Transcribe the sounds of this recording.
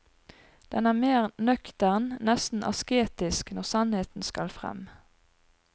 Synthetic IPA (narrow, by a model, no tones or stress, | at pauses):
d̪̥ɛnæːʁmeːʁnœkt̪æʁnnɛst̪n̩ʔɑ̰skeːt̪ɪsknɔʁsɑnheːt̪n̩skɑlfʁɛ̰m